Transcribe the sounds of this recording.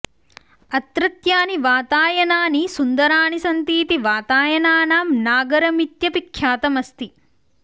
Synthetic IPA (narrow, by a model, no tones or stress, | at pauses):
ɐt̪ɾɐt̪jaːniʋaːt̪aːjɐnaːnisund̪ɐɾaːnisɐnt̪iːt̪iʋaːt̪aːjɐnaːnaːmnaːɡɐɾɐmit̪jɐpikʰjaːt̪ɐmɐst̪i